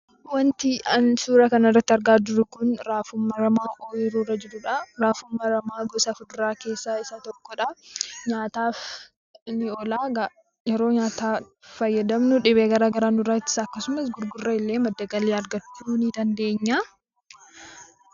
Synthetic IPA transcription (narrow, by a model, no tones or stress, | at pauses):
wɐnt̪ɪʔɐnsuːɾɐkɐnɐrːɐt̪ːɪɐɾɡaːd̪ʊɾʊkʊnɾaːfʊmːɐɾɐmaːʔɔjɪɾuːɾɐd͡ʒɛɾʊᶑɐɾaːfʊmːɐɾɐmaːɡɔsɐfʊd̪ɾaːke̞ːsːaɪsat̪ɔkːɔᶑɐɲaːt̪aːf | nɪɔlaːɡ | jɛɾo̞ːɲaːt̪aː | fɐjːɐd̪ɐmnʊᶑɪβeːɡɐɾaːɡɐɾaːnʊrɐt̪ːɪ̥sɐkːɐsʊmɐsɡʊɾɡʊrːɐɪlːeːmɐd̪ːɐɡɐleːɐɾɡɐt͡ʃːuːnɪd̪ɐnd̪e̞ːɲːa